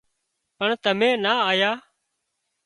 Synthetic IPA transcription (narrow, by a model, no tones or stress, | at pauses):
pəɳt̪əmẽːnaːaːjaː